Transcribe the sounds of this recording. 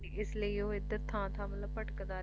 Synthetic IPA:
ɪsləioːɪd̪əɾt̪ʰãːt̪ʰãːmələbpəʈkd̪aː

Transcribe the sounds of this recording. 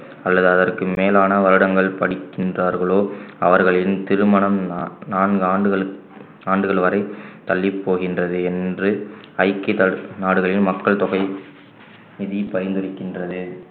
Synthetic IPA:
ɐlːɐðɯɐðɐrkɯmeːlaːnɐʋɐɾɯɽɐŋɡɐɭpɐɽɪkːɪndraːɾɣɐɭoːɐʋɐɾɣɐɭɪlɯmt̪ɪɾɯmɐɳɐmnaːnɡaːɖɯɣɐɭ | aːɳɖɯɣɐɭʋɐɾɐɪt̪ɐlːɪpːoːɣɪndrɐðɯɛndrɯ | ɐɪkːɪt̪ɐnaːɽɯɣɐɭɪlmɐkːɐɭt̪ɔɣɐɪ | mɪðipɐjɐnd̪ɯɾɪkːɪndrɐðɯ

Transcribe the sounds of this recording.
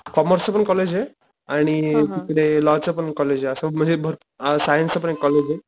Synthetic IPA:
kɔməɾsəpəɳkɔled͡ʑe | aɽ̃it̪ik̪ɽelɔt͡səpəɳkɔled͡ʑeəsəm̤əɳd͡zebʱəɾ | sajənsəpəɳekːɔled͡ʑe

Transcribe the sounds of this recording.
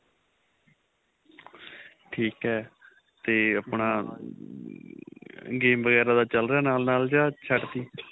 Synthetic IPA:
ʈʰiːkɦɛː | t̪eːəpnaː | ɡeːmʋəɣɛːɾaːd̪aːt͡ʃəlɾejaːnaːlnaːld͡ʒaːt͡ʃʰəʈt̪iː

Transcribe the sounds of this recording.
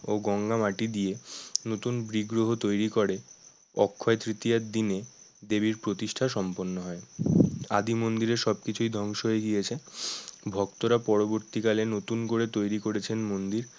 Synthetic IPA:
oɡɔŋɡamaʈid̪ijenot̪unbɾiɡɾoɦot̪ojɾikoɾe | ɔkʰːɔet̪ɾit̪ijad̪ine | d̪ebiɾpɾot̪iʃʈʰaʃɔmponːoɦɔea̰d̪imond̪iɾeʃɔb̚kit͡ɕʰujd̪ʱɔŋʃoɦoeɡijet͡ɕʰe | bʱɔkt̪oɾapɔɾoboɾt̪ikalenot̪unkoɾet̪ojɾikoɾet͡ɕʰenmond̪iɾ

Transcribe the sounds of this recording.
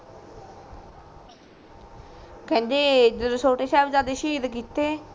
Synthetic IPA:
kɛ̃ːnd͡ʒeːd͡ʒɾɪsoːʈeːʃɛːbd͡ʒaːd̪eːʃiːd̪kiːt̪eː

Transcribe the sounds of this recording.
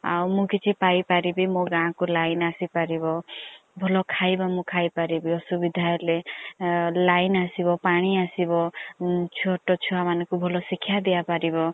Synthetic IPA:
a̰wmũkit͡ʃʰipajpaɾibimõɡãkulajnasipaɾibɔbʱɔlɔkʰajbɔmũkʰajpaɾibiɔsubid̪ʱaɔle | lajnasibɔpaɽ̃iasibɔt͡ʃʰuoɔʈɔt͡ʃʰuamanɔkubʱɔlɔsikʰːjad̪ijapaɾibɔ

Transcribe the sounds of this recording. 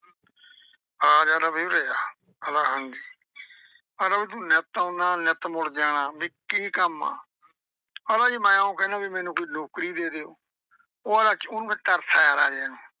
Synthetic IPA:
ɾaːd͡ʒaːlaːbiɾəjaː | əlaːɦənd̪iː | əlaːbiːt̪ũːnət̪õːnd̪aːnət̪mʊɽd͡ʒaːñaːbɪkːiːkəma̰ː | əlaːiːmaːjãːõːkɛːnãːbiːmɛ̃ːnũːkʊinoːkɾiːd̪eːd̪eːoː | oːəlaːt͡ʃʊnʋə̃t̪əɾsʰaːjaːɾaːd͡ʒɛːnũː

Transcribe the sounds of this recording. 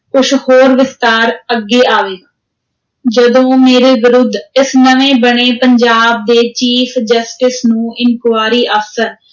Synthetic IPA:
ʊʃhoːɾʋɪst̪aːɾəɡːeːʔaːʋeːa | d͡ʒəd̪õːmeːɾeːʋɪɾʊd̪ʱɪsnəʋẽːbəɳeːpəɲd͡ʒaːb̚d̪eːt͡ʃiːfʰd͡ʒəsʈɪsnũːʔɪŋkwaːɾiːʔəfsəɾ

